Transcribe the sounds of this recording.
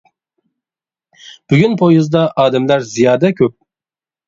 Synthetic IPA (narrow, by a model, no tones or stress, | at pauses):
b̥yɡʲynpʰojuzd̪ɑʔɑːd̪ɛmlæɾzijɑːd̪ɛkʲʰøp̚